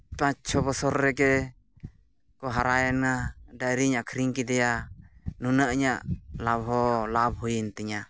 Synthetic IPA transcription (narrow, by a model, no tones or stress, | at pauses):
pat͡ʃʰɔbɔsɔɾːɛkɛ | kɔɦaɾajɛnadajɾiɲaʔkʰɾiŋkid̪ɛjanunaʔɲaʔlabɦɔlab̚hujint̪ɛɲa